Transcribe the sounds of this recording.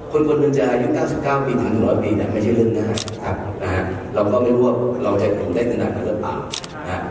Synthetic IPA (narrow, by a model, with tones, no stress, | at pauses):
kʰo˧nkʰo˧nme˧nt͡ɕa˧˩ʔaː˧ju˦˥kaː˥˩wsi˨˩p̚kaː˥˩wpiː˧t̪ʰɯ˩˦ŋnː˨˩ɾɔː˨˦˥jpiː˧na̰˧˥˩ma˥˩jt͡ɕʰa˥˩jlɯ˥˩˨ŋaː˥˩jkʰa˦˥p̚na˦˥kʰa˦˥ʔ | ɾa˧wkɔː˥˩ma˥˩jɾu˥˩ət̚ɾa˧wɦe˨˩t̚pʰo˩˦mdaː˥˩kʰa˧naː˨˩t̚na˧˦˥lɯ˧˩pa̰ː˨˩w | na˧kʰa˦˥